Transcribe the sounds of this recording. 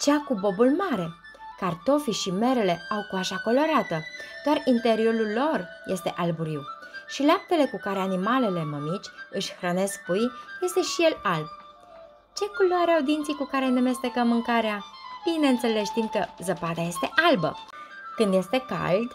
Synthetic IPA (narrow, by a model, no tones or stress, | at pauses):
t͡ʃeakubo̞bulmaɾe̞ | kart̪o̞fiʃime̞ɾe̞le̞awkuaʃako̞lo̞ɾat̪əd̪̥oarint̪e̞ɾio̞ɾulːo̞r | je̞st̪e̞ʔalbuɾiw | ʃileap̚t̪e̞le̞kukaɾe̞animale̞le̞məmit͡ʃʲɨʃʲxɾəne̞sk̚pujje̞st̪e̞ʃije̞lalb̚ | t͡ʃe̞kuloaɾeawd̪int̪sijkukaɾe̞ne̞me̞st̪e̞kəmːɨŋkaɾeab̥ine̞ɨnt̪se̞leʃt̪imkəzəpad̪aje̞st̪eʔalbə̰ | kɨnd̪je̞st̪e̞ka̰ld̪